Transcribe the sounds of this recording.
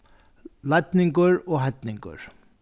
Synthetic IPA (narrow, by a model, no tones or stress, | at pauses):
lajt̪nɪŋkʊɾɔɣɦajt̪niŋkʊ̰ɾ̥